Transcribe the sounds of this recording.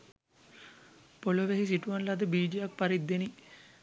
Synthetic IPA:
poloʋeɦis̬iʈuʋanlad̪əbiːd͡ʒijak̚paɾid̪ːeni

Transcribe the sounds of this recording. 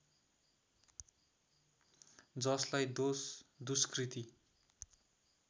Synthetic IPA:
d͡zʌslajd̪osd̪uskrit̪i

